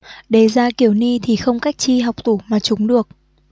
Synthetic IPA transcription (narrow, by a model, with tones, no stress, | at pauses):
ɗe˨˩zaː˧ki˧˩əwni˧t̪ʰi˨˩xə˧wŋ͡mka˦˥jk̚t͡ɕi˧ɦa˨˩wk͡p̚t̪u˧˩maː˨˩t͡ɕʊ˨˦ŋ͡mɗɨ˨˩ək̚